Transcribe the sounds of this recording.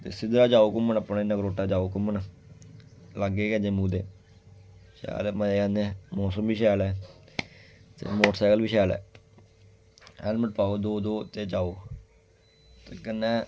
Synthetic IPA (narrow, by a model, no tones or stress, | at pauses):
t̪ḛːsɪd̪ɾaːd͡ʒaːoːkʊmːənəpnaːɪnːãːkɾoːʈːaːd͡ʒaːoːkʊmən | laɡeːkɛ̃d͡ʒẽːmũːd̪eː | ʃɛ̰ːlməeːkɛ̃ːnd̪eɛ̃mɔːsəmbiːʃɛːlɛː | t̪ḛːmoːʈsaːkəlbiːʃɛːlɛ̰ː | ɛːlməʈ̚paːoːd̪oːd̪oːt̪eːt͡ʃaːoː | t̪eːkənːɛ̃ː